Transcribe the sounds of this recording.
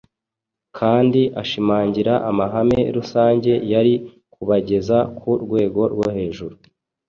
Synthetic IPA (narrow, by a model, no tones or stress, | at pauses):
kʰaːndiʔaʃimaːɲɟiɾaʔamaɦame̞ɾusaːɲɟe̞jaɾi | kuβaɟe̞zakʰuɾɡwe̞ːɡo̞ɾɡwohe̞ːʒuɾu